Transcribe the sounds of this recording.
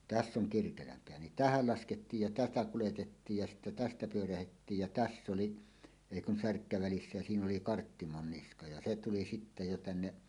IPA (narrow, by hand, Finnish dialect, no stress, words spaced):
tæsː oŋ kirkelæmpeæ nin tæhæl lɑsketːiːj jɑ tætæ kuletetːiːj jɑ sitːæ tæstæ pyøræhetːiːj jæ tæsː oli eˑi kun særkːæ ʋælisːæ jɑ siːn oli kɑrtːimonːiskɑ jɑ se tuli sitːæ jo tænːe